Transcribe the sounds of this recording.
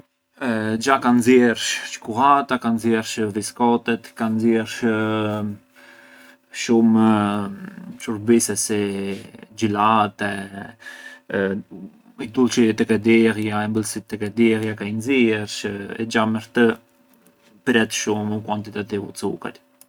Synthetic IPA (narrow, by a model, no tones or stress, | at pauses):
d͡ʒakanzjɛɾʃʃkuɦat̪akanzjɛɾʃviskɔt̪ɛt̪kanzjɛɾʃ | ʃum | ʃuɾbisɛsi | d͡ʒilat̪ɛ | it̪ulˠʃit̪ɛkɛd̪ɛɾjaɛmbəlsit̪ːɛkɛd̪ɛɾjakainziɛɾʃɛ̰d͡ʒaməɾt̪ə | pɾɛt̪ʃumukwant̪it̪at̪ivut͡suka̰t̪